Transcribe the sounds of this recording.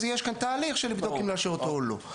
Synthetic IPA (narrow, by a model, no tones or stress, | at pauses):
zjeʃkant̪aːliχʃelibd̪okimleaʃeʁot̪oːlo̰